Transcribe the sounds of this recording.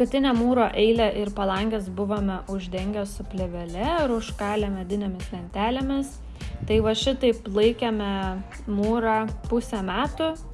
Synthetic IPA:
kɐt̪ʲɪnʲɛmuːɾoːʔɛɪlʲɛʔɪɾpɐlˠɐŋʲɡʲɛs̬bʊʋoːmʲɛʔʊʒʲd̪ʲɛŋʲɡʲossʊpʲlʲɛʋʲɛlʲɛɪɾʊʃkɑːlʲɛmʲɛd̪ʲɪnʲeːmʲɪslʲɛnʲt̪ʲæːlʲemʲɪs | t̪ɐɪʋɐʃʲɪt̪ɐɪplˠɐɪkʲɛmʲɛ | muːɾɑːpʊsʲɛmʲæːt̪ʊ

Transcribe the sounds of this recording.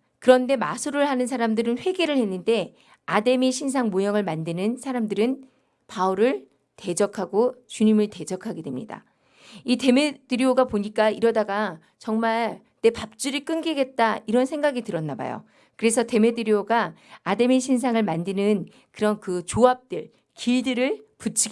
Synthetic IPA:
kɯɾʌnde̞masʰuɾɯɭhanɯnsʰaɾamdɯɾɯnɸwe̞ɡe̞ɾɯɭhenːɯnde̞ | ade̞miɕʰinsʰaŋmojʌŋɯɭmandɯnɯnsʰaɾamdɯɾɯn | pauɾɯɭ | te̞d͡ʑʌkʰaɡot͡ɕuɲimɯɭte̞d͡ʑʌkʰaɡe̞dwe̞mɲida̰ | ite̞me̞dɯɾjoɡapoɲik͈aiɾʌdaɡa | t͡ɕʌŋmaɭ | ne̞pap̚t͡ɕ͈uɾik͈ɯnɡiɡe̞t̚t͈aiɾʌnsʰe̞ŋɡaɡitɯɾʌnːaba̰jo̰ | kɯɾe̞s̬ʰʌte̞me̞dɯɾioɡaːde̞miɕʰins̬ʰaŋɯɭmandɯnɯn | kɯɾʌnkɯt͡ɕoap̚t͈ɯɭ | kiɭdɯɾɯɭput͡ɕʰiɡ

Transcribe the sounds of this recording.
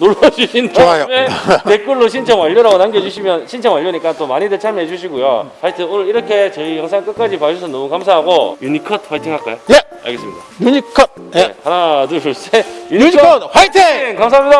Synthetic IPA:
noɭːʌd͡ʑuɕʰindaajometek͈ɯɭːoɕʰint͡ɕʰʌŋwaʎːoɾaɡonanɡeɦed͡ʑuɕʰimjʌnɕʰint͡ɕʰʌŋwaʎːjoɲik͈at͈omaɲidet͡ɕʰamjeɦed͡ʑuɕ̬ʰiɡojo̰pʰaɭtʰɯonɯɾiɾʌkʰe̞t͡ɕʌijʌŋsʰaŋk͈ɯk͈ad͡ʑipaɕʰos̬ʰʌnʌmukamsʰaɦaɡojuɲikʰʌtɸajtʰiŋɦaɭk͈a̰joa̰ɭɡe̞s͈ɯmɲid̥a̰juɲikʰnḛhanaduɕuɭs͈ejuɲikʰatʰienkams̬aɦamɲida

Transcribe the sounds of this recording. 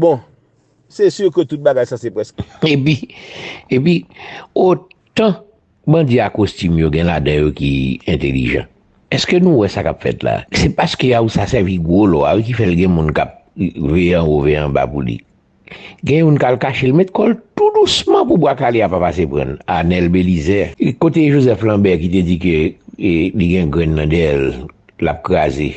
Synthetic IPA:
bɔ̃ | sesyʁkət̪ut̪̚baɡajsasepʁɛsepi | epio | t̪ã | bãd͡ziakostymjoɡɛ̃ladãjokiɛ̃t̪elḭʒã̰ | ɛskønũwɛsakapfɛ̰t̪la̰sepaskøausasɛʁviɡʁolɔa̰wik̬ifɛlɡɛ̃mũnkap̚veãoveãba̰pulḭ | ɡɛ̃ɛ̃mũnkalkaʃelmɛ̃t̪̚kɔlt̪udusmʌ̃pubwakaleapapasepʁã̰nanɛlbelizɛkot̪eʒozɛflãbɛkit̪̬ed͡zikøeliɡɛ̃ɡɹɛ̃nːãd̪ɛl | la̰p̚kʁazḛ

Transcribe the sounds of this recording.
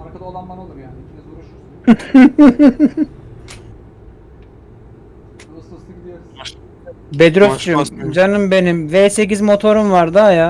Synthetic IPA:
aɾkad̪lˠananlˠɯa | bed̪ɾost͡ʃʰyd͡ʒanɯmbe̞nimveːse̞cizmo̞t̪ʰo̞ɾumvaɾd̪aja

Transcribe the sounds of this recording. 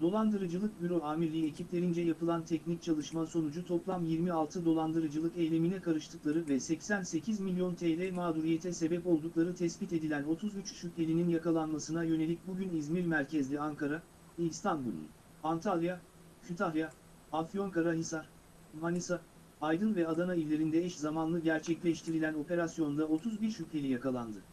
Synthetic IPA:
d̪o̞lˠand̪ɯɾɯd͡ʒɯlˠɯk̚byɾo̞aːmiɾlʲiːecʰiplʲe̞ɾind͡ʒɛjapɯlˠant̪ʰɛcnic̚t͡ʃʰalˠɯʃmaso̞nud͡ʒut̪ʰo̞plˠamjiɾmialˠt̪ʰɯd̪o̞lˠand̪ɯɾɯd͡ʒɯlˠɯkejlʲe̞minɛkʰaɾɯʃt̪ʰɯklˠaɾɯvɛsɛcsænse̞cʰizmilʲjo̞nt̪ʰeːlʲɛjmaːd̪uɾijet̪ʰɛse̞bɛpo̞lˠd̪uklˠaɾɯt̪ʰɛsbit̪e̞d̪ilʲæno̞t̪ʰuzyt͡ʃsylʲe̞lʲininjakalˠanmasɯnajø̞ne̞lʲic̚buɟynizmiɾmæɾcʰɛzlʲiaŋkaɾa | ɛist̪ʰanbulˠṵn | ant̪ʰalʲˠja | cʰyt̪ʰalja | afjo̞ŋkʰaɾaɦisaɾ̥ | manisa | ajd̪ɯnvɛad̪anailʲːe̞ɾind̪ɛɛʃzamanlˠɯɟæɾt͡ʃʰɛclʲɛʃt̪ʰiɾilʲæno̞pe̞ɾasjo̞nnd̪ao̞t̪ʰuzbiɾʃye̞lʲijakalˠand̪ɯ

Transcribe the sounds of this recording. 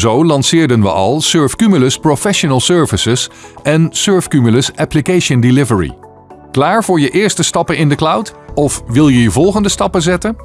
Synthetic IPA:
zowlɑnsɪːɹdənʋə̰ʔɑ̰lˠsøːɹfkymyləsprofɛʃonəlˠsøːɹvəsɪsɛnsøːɹfkymələsɛplikejʃəndilɪvəɹḭ | klaːɹvʊːɹjəʔɪːɹstəstɑpənɪndəklʌwtɔfʋɪlˠjəjəvɔlˠχəndəstɑpəzɛtən

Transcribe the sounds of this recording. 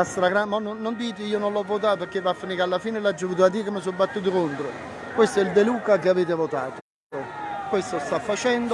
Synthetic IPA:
st̪ɾaɡɾamɔnonːond̪iːt̪iiːononlɔvːot̪̬aːt̪opeɾkːevafːaniːkalːafiːnelad͡ʒːovuːt̪̬ad̪iːkemɪs̬ɔbːat̪ːuːt̪̬okont̪ɾo | kwest̪oɛld̪eluːkakeaveːt̪evot̪aːt̪o | okwest̪ost̪afːat͡ʃɛnd̪

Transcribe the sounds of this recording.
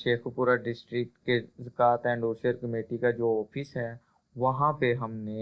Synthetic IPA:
ʃeːxpuːɾaɖɪsʈɾɪk̚ʈkezəkaːt̪ɛ̃ːɳɖoːʃəɾkəmeːʈikad͡ʒoːɔːpʰɪsɦɛː | ʋɐɦãpeɦɐmne

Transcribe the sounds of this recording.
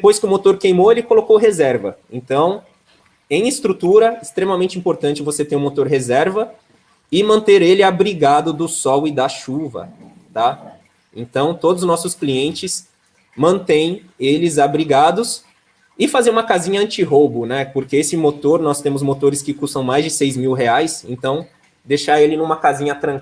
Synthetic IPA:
d̪epojskɪʊmot̪oɾkejmoelɪkolokowɦezɛɾvɐ̰ẽnt̪ɐ̃w̃ | ẽj̃ɪst̪ɾut̪uɾɐɪst̪ɾemɐmẽnt͡ʃɪĩpoɾt̪ɐ̃nt͡ʃɪvoset̪ẽjũmot̪oɾɦezɛɾvɐ | ɪmɐ̃nt̪eɾelɪabɾiɡad̪ʊd̪ʊsɔwɪd̪ɐʃuvɐ̰ | t̪a | ḛ̃nt̪ɐ̃w̃t̪od̪ʊznɔsʊskliẽnt͡ʃɪs | mɐ̃nt̪ẽj̃ | elɪzabɾiɡad̪ʊs | ɪfazeɾũmɐkazĩɲɐɐ̃nt͡ʃɪɦobʊnɛpoɾkeesɪmot̪oɾnɔst̪ẽmʊzmot̪oɾɪskɪkust̪ɐ̃w̃majzd͡ʒɪsejzmiwɦeajsḛ̃nt̪ɐ̃w̃ | d̪eʃaɾelɪnũmɐkazĩɲɐt̪ɾɐ̃k

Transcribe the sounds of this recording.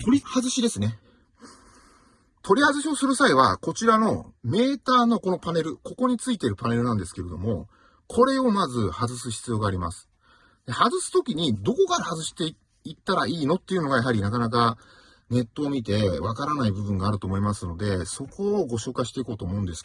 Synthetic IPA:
t̪oɾʲihazɨɕid̪e̞sɨne̞ | t̪ʰo̞ɾʲihazɨɕiosɨɾɯ̟saiβako̞t͡ɕiɾano̞me̞ːt̪aːno̞ko̞no̞pane̞ɾɯ̟ko̞ko̞ɲ̟it͡sɨit̪e̞ɾɯ̟pane̞ɾɯ̟nãnd̪e̞sɨ̥ke̞ɾe̞d̪o̞̰mo̞ | kʰo̞ɾe̞o̞mazɨhazɨsɨɕi̥t͡sɨjo̞ːɡaːɾʲimasɨ̥ | d̪̥e̞hazɨsɨ̥t̪o̞kʲiɲ̟id̪o̞ko̞kaɾahazɨɕi̥t̪e̞ | it̪ːaɾaiːno̞t̪ːe̞iɯ̟no̞ɡajaɦaɾʲinakanak̬a | ne̞t̪ːo̞ːmʲit̪e̞βakaɾanaibɯ̟bɯ̟̃ŋɡaːɾɯ̟t̪oːmo̞imasɨno̞d̪e̞so̞ko̞ːɡo̞ɕo̞ːkaɕi̥t̪e̞iko̞ːt̪o̞ːmo̞ɯ̟̃nd̪e̞sɨ̥

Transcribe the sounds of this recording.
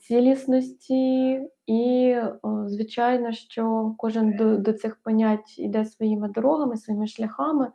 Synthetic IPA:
t͡sʲilʲisnɔsʲtʲi | i | zʋɪt͡ʃɑjnɔʃt͡ʃɔkɔʒɪnd̪ɔd̪ɔt̪sɪxpɔnʲatʲḭd̪ɛsʋɔjimɪd̪ɔɾɔɦɐmɪsʋɔjimɪʃlʲɐxɑmɪ

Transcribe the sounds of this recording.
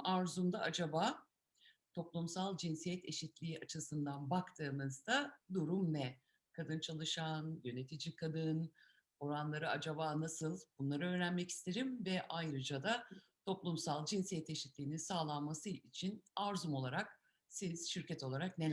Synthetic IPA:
aɾzumd̪aad͡ʒabaː | t̪ʰo̞plˠumsalˠd͡ʒinsijɛt̪ʰe̞ʃit̪lʲiːʔat͡ʃʰɯsɯnd̪anbakt̪ʰɯːmɯzd̪ad̪uɾumvɛ | kʰad̪ɯnt͡ʃʰalˠɯʃanjø̞ne̞t̪ʰid͡ʒikʰad̪ɯn | o̞ɾanlˠaɾɯad͡ʒabaːnasɯlˠb̥unlˠaɾɯø̞ːɾænmɛci̥st̪ʰe̞ɾimvɛʔajɾɯd͡ʒad̪at̪ʰo̞plˠumsalˠd͡ʒinsijɛt̪e̞ʃit̪lʲiːninsaːlˠanmasɯit͡ʃʰinaɾzumo̞lˠaɾak̚ | siz̥ʃyɾcʰɛt̪ʰo̞lˠaɾaknel

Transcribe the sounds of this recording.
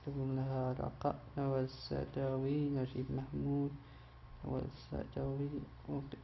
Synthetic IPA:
t̪aɡuːnlaɦaɾˤɑ̰qɑ̰ʔnawasa̰d̪aːwinaʃiːbmaħmuːd̪ | nawa̰sa̰d̪awi | w

